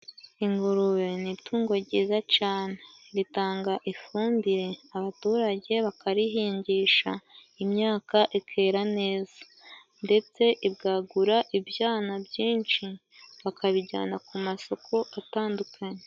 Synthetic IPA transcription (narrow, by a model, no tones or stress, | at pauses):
iŋɡuɾuwenituːŋɡo̞ɾɟiːzacaːne̞ɾitaːŋɡaʔifuːndiɾe̞aβatuːɾaɟe̞βakaɾiɦiːɲɟiːʃa | imɲaːkaʔikʰe̞ːɾane̞ːzḁ | nde̞t͡se̞ʔibɡaːɡuɾaʔibjaːnabɟiːnʃi | βakaβiɟa̰ːnakumaso̞kʰoʔataːndukʰaɲe